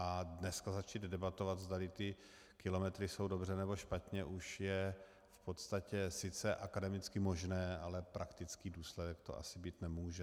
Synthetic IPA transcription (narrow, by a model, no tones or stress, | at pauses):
adnɛskazat͡ʃiːd̪dɛbat̪o̞vat̪zd̪alɪt̪ɪ | kɪlo̞mɛt̪ɾɪso̞wdo̞brɛnɛbo̞ʃpat̪ɲɛʔuʃjɛ | fpo̞t̪st̪acɛsɪt͡sɛʔakadɛmɪt͡skɪmo̞ʒnɛːalɛpɾakt̪ɪt͡skiːduːslɛdɛkt̪oʔa̰sɪbiːt̪nɛmuːʒɛ